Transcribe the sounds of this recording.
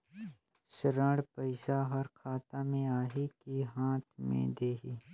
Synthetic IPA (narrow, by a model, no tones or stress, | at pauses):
sɾəɽpəɪsaɦɐɾkʰaːt̪amẽaːɦikiɦãːt̪ʰmḛ̃d̪eːɦiː